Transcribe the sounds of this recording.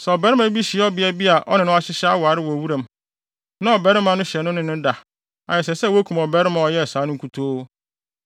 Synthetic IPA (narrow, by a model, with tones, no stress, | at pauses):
sɛ˨ɔ˨bɛ˨˦ɾɪ˦mã˦bi˦ɕɪ˨ɛ˦ɔ˦bɪ˦ɛ˦bi˦a˨ʔɔ̰˦nɪ̃˨nʊ̃˦a˦ɕɪ˦ɕa˦wa˨ɾɪ˦wɔ˨wu˦ɾã˨m | nã˦ɔ˨bɛ˦ɾɪ˦mã˨nʊ̃˦ɕɛ˨nʊ̃˦nɪ̃˦nʊ̃˦da˨ | ã̰˨jɛ˨s̬ɛ˨sɛ˦˨wo˦kʰu˨mɔ˨bɛ˦ɾɪ˦mã˨ɔ˨jɛ˦˨saː˨˦nʊ̃˦ŋ˦ku˦tʰoː˦